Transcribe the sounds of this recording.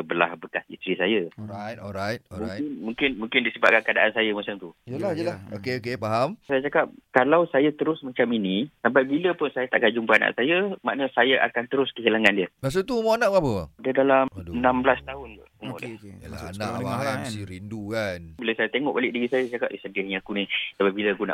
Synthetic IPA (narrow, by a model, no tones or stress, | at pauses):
əbəla̰hbəkasḭst̪ɾisajəɔɾajt̪̚ɔɾajt̪̚ɔmũŋkɪnmuŋkɪnmũŋkɪndisəbaʔ̚kankəadaʔansajamasaŋt̪ujəlahjəlahokeokepaɦamsajat͡ʃakap̚kalawsajat̪əɾʊsmat͡ʃaminisampajbiləpʊnsajat̪aʔkad͡ʒumbaana̰ʔsajəma̰ʔnəsajaʔa̰kant̪əɾʊskəɦilaŋandiəmas̬ot̪uumoanaʔapəaadədalamdənamblast̪aɦʊnda̰umo̰la̰laanabaɦajmasiɾindukanbilawsajat̪eŋɔʔbalɪʔ̚diɣisajat͡ʃakap̚ʔisədahɲaakunisababilakuna̰ʔ